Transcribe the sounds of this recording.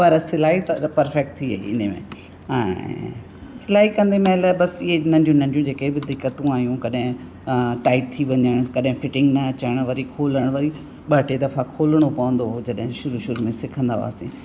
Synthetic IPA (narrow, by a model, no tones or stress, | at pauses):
pɐɾsɪlaːɦit̪ɐpɐɾfɛk̚ʈ̚t̪ʰiɐ̰ḭɪ̰n̤emḛ̃ | ɛ̰̃ | sɪlaːɦikɐ̃nd̪emɐləbɐsɪɦenɐ̃nd̪jũnɐ̃ɲdjũd͡ʑeːkebɪd̪ɪkːət̪ũaːɦijũkɐɗɦɪ̃ | ʈaːɪʈ̚t̪ʰiʋɐɲəɽ̃kɐɗɦɪ̃fɪʈɪ̃ŋɡnɐːt͡ɕəɽ̃ʋɐɾikʰoːləɽ̃ʋɐɾi | ɓɐʈed̪ɐfakʰoːləɽ̃opɐʋə̃nd̪oɦod͡ʑɐɗɦɪ̃ʃʊɾuʃʊɾumẽsɪkʰə̃nd̪a̰ʋa̰ːsḭ̃